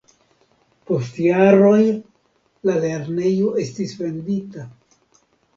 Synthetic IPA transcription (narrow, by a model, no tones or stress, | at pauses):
po̞stjaɾo̞j | lale̞ɾne̞joʔe̞stisve̞ndita